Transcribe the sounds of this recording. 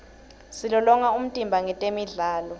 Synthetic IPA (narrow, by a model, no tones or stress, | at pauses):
silɔlɔŋaum̩tʼimbʱaŋɛtʼemiɮaːlɔ